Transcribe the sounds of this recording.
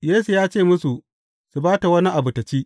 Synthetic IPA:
jeː˦su˨jaː˦t͡ʃeː˦˨mʊ˦su˨ | su˨baː˦ta˨wɐ˦ni˦ʔa˨bʊ˨tɐ˨t͡ʃiː˦

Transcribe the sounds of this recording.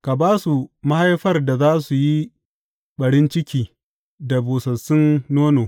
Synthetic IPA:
ka˨baː˦su˨ma˦ha˦jɸɐ˦rda˨zaː˦su˨ji˦ | ɓɐ˨ɽɪ˦nt͡ʃɪ˦kʲiː˦ | da˨boː˨sɐ˨sʊ˦nːoː˦noː˨

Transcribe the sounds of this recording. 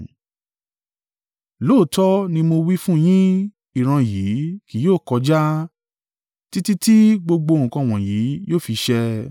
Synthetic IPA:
lo˦˨tɔ˦nĩ˧mo˧wi˦fũ˦˨j̃ĩ˦ | i˨ɾ̃ã˧ji˨˦ki˨˦joː˦˨kɔ˧d͡ʒa˦ | ti˦ti˦ti˦ɡ͡bo˧ɡ͡bo˧ŋ̩˨kã˧˨w̃ɔ̃˨ji˨˦joː˦˨fi˧ʃɛ˧

